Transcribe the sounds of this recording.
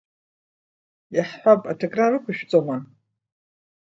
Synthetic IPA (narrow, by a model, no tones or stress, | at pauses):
jaħħʷapʼatʰoɡʼrarɨkʷʰaʃᶣt͡sʼoma